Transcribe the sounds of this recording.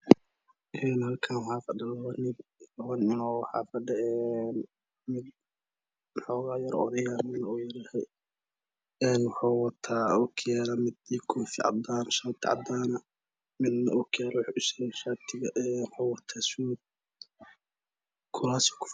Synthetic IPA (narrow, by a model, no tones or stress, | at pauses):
ʔɛːnhɐlkʰanwħɑːfɐɖɐlwɐnɪwɐnɪnɔːwħɑ̰ːfɐɖɛɛn | mɪd̪̚ | wħɔːɣaːjɐɾʔɔ̰ðɐjamɪd̪nɐɔːjɐɾaːhɛ | ɛːnwħaːwɑt̪ʰaːʊkʰjɛɾɐmɪd̪iːkʰʊːfɪʕɑ̰d̪aːnʃaːt̪ʰɪʕɑ̰d̪aːnɐ | mɪd̪nɐ̰ʔʊkʰjɛɾwħʔʊsɛɣʃaːt̪ʰɪɣɐʔɛːnwħawɐt̪ʰaːsuːd̪̚ | kʰʊlaːsɪ̥kʰʊ̥f